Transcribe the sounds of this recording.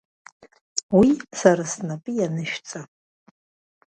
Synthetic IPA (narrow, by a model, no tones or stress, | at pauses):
wisaɾasnapʼɨjanɨʃᶣt͡sʼa